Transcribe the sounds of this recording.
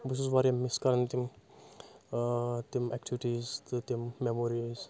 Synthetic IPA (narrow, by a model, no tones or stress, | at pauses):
bus̬usʋaɾɐmiskɐɾɐnt̪im | t̪imɛk̚ʈʰiʋiʈizt̪imːemoɾiz